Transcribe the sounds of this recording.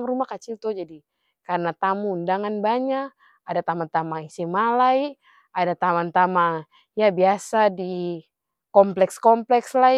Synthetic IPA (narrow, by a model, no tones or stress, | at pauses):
ŋrumahkat͡ʃilt̪ud͡ʒadi | karnat̪amundaŋanbaɲak | adat̪amant̪amaŋisimalai | adat̪amant̪ama | jabiasadi | kɔmplɛkskɔmplɛksla